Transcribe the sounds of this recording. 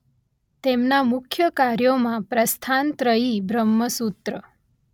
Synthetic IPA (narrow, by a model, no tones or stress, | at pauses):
t̪emnamʊkʰjəkaɾjomãpɾəst̪ʰant̪ɾəibɾəmːəsut̪ɾə